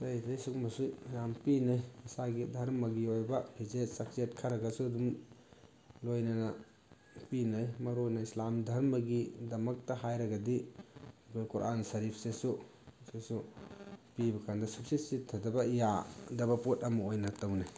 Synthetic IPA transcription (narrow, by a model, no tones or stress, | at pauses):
ajdesuk̚mɐsujampinajisaɡidʱɐɾmɐɡiojbɐpʰizet̚sak̚set̚kʰaɾɐɡɐsuɐdum | lojnɐnɐ | pinajmɐɾonɐislamdʱɐɾmɐɡidɐmɐk̚tɐɦajɾɐɡɐdi | kʰojkuɾʔa̰nsɐɾipʰsesu | sesu | pibɐkʰandɐsup̚sisitʰːɐdɐbɐijadɐbɐpotɐmɐojnɐtawnaj